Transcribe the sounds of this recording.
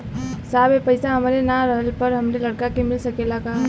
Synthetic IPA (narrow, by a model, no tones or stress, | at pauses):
saːbepɐɪsaɦɐmɾenaɾəɦəlpəɾɦɐmnelɐɽkakemɪlsəkelaɡa